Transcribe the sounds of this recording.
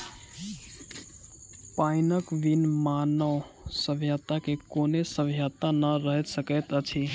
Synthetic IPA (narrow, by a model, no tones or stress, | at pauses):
painəkʋinmanə | səbʱjət̪akekonesəbʱjat̪anəɾəɦɛt̪səkəjt̪ət͡ʃʰi